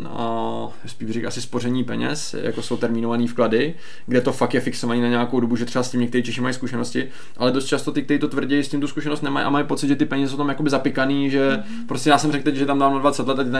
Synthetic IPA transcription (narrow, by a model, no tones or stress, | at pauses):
a | spiːʃrɛka̰sɪspo̞rɛɲiːpɛɲɛ̰s | ja̰kosowt̪ɛɾmino̞vaniːfkladɪ | ɡdɛt̪o̞fakjɛfɪkso̞vaniːnaɲɛjakowdo̞buʒɛt̪rɛbascʲɪmɲɛk̚t̪ɛɾiːt͡ʃɛʃɪmajiskuʃɛno̞scɪ | ʔalɛdo̞st̪t͡ʃast̪o̞t̪ɪk̚t̪ɛɾiːt̪o̞t̪vr̩ɟɛjscɪmt̪uskuʃɛnost̪nɛmajʔa̰majɪpo̞tt͡sɪd̪ʒɛt̪ɪpɛɲɛzɛs̬owt̪amjakobɪzapɪkaniːʒɛ | pɾoscɛjaːsɛmrɛkt̪ɛcʒɛt̪amdamnadvat͡sɛt̪lɛt̪at̪ɪt̪a